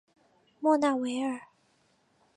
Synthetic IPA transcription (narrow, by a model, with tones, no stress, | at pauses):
mwɔ˥˧na˥˩we˧˥ɪə˞˨˩˦